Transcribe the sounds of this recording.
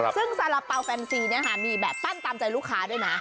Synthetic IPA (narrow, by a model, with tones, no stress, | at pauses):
sɯ˥˩ŋsa˨˦la˨˩pːa˧wfɛː˧nsiː˧ni˦˥˩ɐkʰa˥˩miː˧bɛː˨˩p̚p̪a˦˥˩nt̪aː˧mt͡ɕa˧jluː˥˩kʰːaː˦˥duː˥˩jna˦˥